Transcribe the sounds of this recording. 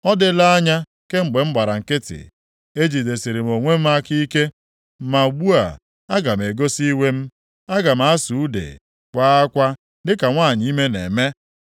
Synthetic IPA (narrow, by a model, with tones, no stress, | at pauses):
ɔ˦dɪ˨la˦a˦ɲa˦ | ke˦ŋ͡m̩˨ɡ͡be˨m̩˦ɡ͡ba˨ɾa˨ŋ̩˨kɪ˦tɪ̰˨ | e˦d͡ʒi˨de˨si˨ɾe˨m˨o˨ŋʷe˦m̩˦a˦ki˦i˦ke˦ | ma˨ɡ͡bu˦a̰˨ | a˦ɡa˨m̩˨e˨ɡo˦si˦we˦m̩˦ | a˦ɡa˨m̩˨a˦su˨u˦dḛ˨ | kʷa˦a˦kʷa˦ | dɪ˦ka˨ŋʷaː˦˨ɲi˨˦i˦me˦nḛ˨me˦